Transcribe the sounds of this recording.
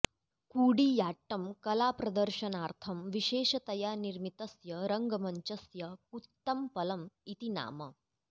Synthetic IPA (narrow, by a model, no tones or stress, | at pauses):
kuːɽiːjaːʈːɐmkɐlaːpɾɐd̪əɾʃɐnaːɾt̪ʰɐmʋiʃeːʃɐt̪ɐjaːɾniɾmit̪ɐsjɐɾɐŋɡɐmɐɲt͡ʃɐsjɐkut̪ːɐmpɐlɐmit̪ina̰ːmɐ̰